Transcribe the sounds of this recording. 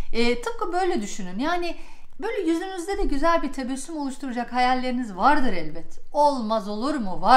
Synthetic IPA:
ɛːt̪ʰɯp̚kɯbø̞jlʲɛd̪yʃynynjaːnɪbøjlʲɛjyzynyzd̪ɛd̪ɛɟyzælʲbiɾt̪ʰabɛsːymo̞lˠuʃt̪ʰuɾud͡ʒakhajalʲːe̞ɾinizvaɾd̪ɯɾɛlʲbɛt̪ʰːɛolˠmazo̞lˠuɾmuva

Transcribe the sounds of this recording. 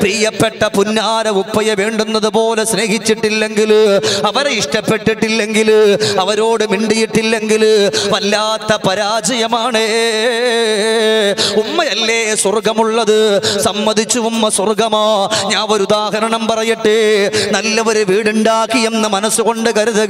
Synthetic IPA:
priːjɐpːeʈːɐpunːaːɾɐupːɐjɐʋeːɳɖunːɐðɨpo̞ːle̞sne̞ːɦit͡ɕːiʈːilːe̞ŋɡilɐʋɐɾeiʂʈɐpːeʈːiʈːilːe̞ŋɡilɐʋɐɾo̞ːɽɨmiɳɖijiʈːilːe̞ŋɡilʋɐlːaːt̪ːɐpɐɾaːd͡ʑɐjɐmaːɳe | umːɐjɐlːeːswɐrɡɐmuɭːɐðɨsɐmːɐd̪ʱit͡ɕːuumːɐswɐrɡɐmaːɲaːoɾud̪aːɦɐɾɐɳɐmpɐrɐjiʈːenɐlːɐʋɐɾuʋiːɽuɳɖaːkːienːɐmɐnɐsːuko̞ɳɖɨkɐɾuðɐ

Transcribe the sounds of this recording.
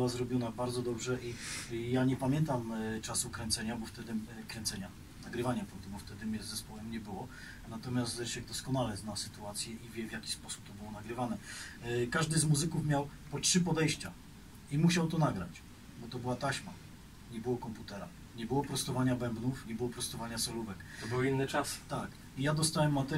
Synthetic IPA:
wazɾɔbʲjɔnabaɾd̪zɔd̪ɔbʐɛʔijaɲɛpamʲjɛnt̪amt͡ʂasukɾɛnt̪sɛɲabɔft̪ɛd̪ɘkɾɛnt̪sɛɲa | naɡɾɘvaɲapɾɔd̪ɛbɔft̪ɛd̪ɘmʲjɛɛspɔwɛmɲɛbɘwɔ | nat̪ɔmʲjast̪ɛʂjɛɡ̚d̪ɔskɔnalɛznasɘ̥t̪uat̪sʲjɛivʲjɛvʲjakʲi̥spɔsu̥p̚t̪ɔbɘwɔnaɡɾɘvanɛkaʐd̪ɘzmuzɘkufmʲjawpɔtʂɘpɔd̪ɛjɕt͡ɕa | imuɕawt̪ɔnaɡɾa̰t͡ɕ | bɔt̪ɔbɘwat̪aɕma | ɲɛbɘwɔkɔmput̪ɛɾa | ɲɛbɘwɔpɾɔst̪ɔvaɲabɛmbnufɲɛbɘwɔpɾɔst̪ɔvaɲasɔluvɛkt̪ɔbɘwinːɘt͡ʂast̪ak | ijad̪ɔst̪awɛmːat̪ɛ

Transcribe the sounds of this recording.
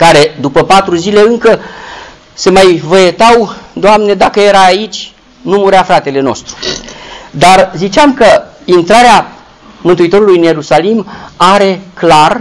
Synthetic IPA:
kaɾe̞d̪upəpat̪ɾuzile̞ɨŋkə | se̞majvəjet̪awd̪oamne̞d̪akəje̞ɾaːit͡ʃʲ | numuɾeafɾat̪e̞le̞no̞̰st̪ɾu̥ | d̪arzit͡ʃeamkəint̪ɾaɾea | mɨnt̪uit̪o̞ɾulujɨnje̞ɾusalimaɾe̞klar

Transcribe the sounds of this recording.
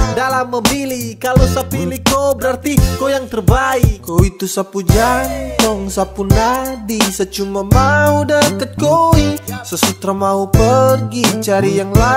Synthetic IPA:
dalamːəbilikalosapilikobəɾart̪ikojaŋt̪ərbaikkoit̪usapud͡ʒant̪ɔŋsapunadisət͡ʃumamaudəkət̪̚koisəsut̪ɾamaupərɡit͡ʃaɾijaŋla

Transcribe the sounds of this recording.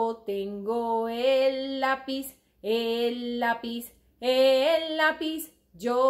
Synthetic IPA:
t̪eŋɡoeapis | elːapis | elːapis | d͡ʒo

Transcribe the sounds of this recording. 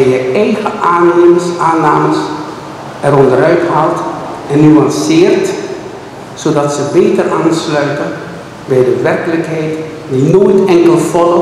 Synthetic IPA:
ɛjəɛjɣəʔaːneməsaːnaːməs | ɛrɔndəɾœɥtɦawtɛnːyɑnsɪːrt | sodɑtsəbeːtəraːnslœɥtən | bɛjdəʋɛrkələkɦɛjt | dinoːjtɛŋkəlˠfɔlə

